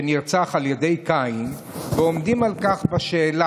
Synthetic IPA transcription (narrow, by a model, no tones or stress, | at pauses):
eniʁt͡saχaljede̞jkain | veo̞mdimalkaχbaʃeːla